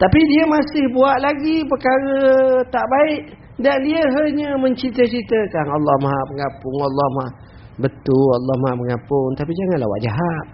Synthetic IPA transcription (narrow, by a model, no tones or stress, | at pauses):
t̪apidiəmasɪhbuaʔlaɡipəkaɾət̪aʔbaɪʔ | daʔliəɦəɲəməɲt͡ʃit̪ət͡ʃit̪əkanalːɔhmaɦaʔpəŋapʊŋalːɔhmaʔ | bət̪ualːɔhmaaʔməŋapʊŋt̪apid͡ʒaŋanla̰wa̰ʔd͡ʒaɦat̪̚